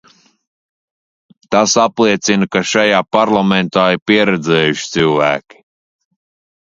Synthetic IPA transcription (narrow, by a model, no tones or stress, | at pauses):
t̪asaplˠiɛt̪sinɨkaʃajaːpaɾlˠament̪aːiɾpiɛɾɛd̪zɛːjuʃt̪sɨlvæːkʲi̥